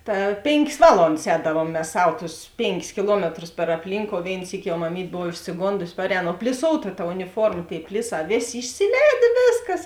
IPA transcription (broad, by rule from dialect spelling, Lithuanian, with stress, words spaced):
ˈtɐ ˈpʲeːŋʲˌkʲeːs ˈʋɑːlˠoːndɐs ˈɛːdɐʋuɔm mʲɛs ˈsɐw ˈtʊs ˈpʲeːŋʲˌkʲɪs kʲɪˈlˠuɔmʲɛtrʊs pʲɛr ɐpʲˈlʲiːŋkoːʊ ˈʋʲeːɪn ˈsʲiːkʲɪ jɛʊ mɐˈmʲiːtʲ ˈboːw ɪʃʲsʲɪˈɡoːndʊsʲɪ ˈpɑːrʲɛːˌnoː oː pʲlʲɪˈsoːʊtɐ tɐ ʊnʲɪˈfoːrmɐ ˈtʲeːɪ ˈpʲlʲɪˌsɑː ˈʋʲeːˌsʲeː ɪʃʲsʲɪˈlʲɛːdʲeː ˈʋʲeːsˌkɐs